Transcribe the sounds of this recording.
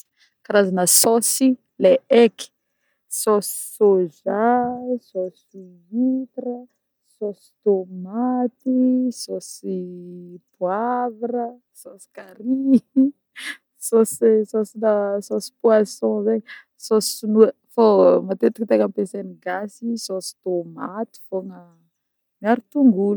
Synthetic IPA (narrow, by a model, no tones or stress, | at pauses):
kaɾazanəsɔsi | leɛki̥ | sɔsi̥soʒasosi | it̪ɾə | sosi̥t̪omat̪isosi | puavrə | sosi̥kaɾi | sosisosinasosi̥pwasɔ̃ze | sosiunu | fomat̪et̪ikit̪ekampeseniɡasisosi̥t̪omat̪i̥foŋə | miaɾit̪uŋɡul